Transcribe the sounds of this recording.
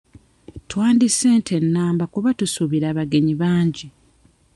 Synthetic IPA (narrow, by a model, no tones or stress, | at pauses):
twaːndiseːntʰe̞nːaːmbakuβatusuβiɾaːβaɡe̞ɲiβaːɲɟi